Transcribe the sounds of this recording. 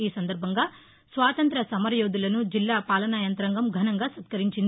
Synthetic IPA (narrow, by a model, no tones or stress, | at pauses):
iːsɐnd̪ɐɾbʱɐŋɡɐ | sʋaːt̪ɐnt̪ɾɐsɐmɐɾjoːd̪ilɐnud͡ʒilːaːpaːlɐnaːjɐnt̪ɾɐŋɡɐmɡʱɐnɐŋɡɐsɐt̪kɐɾiɲt͡ʃin